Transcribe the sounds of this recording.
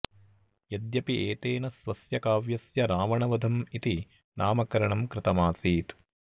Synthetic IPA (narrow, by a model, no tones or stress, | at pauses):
jɐd̪jɐpieːt̪eːnɐsʋɐsjɐkaːʋjɐsjɐɾaːʋɐɳɐʋɐd̪ʱɐmit̪i | nʔaːmɐkɐɾɐɳɐmkɾɪt̪ɐmaːsiːt̪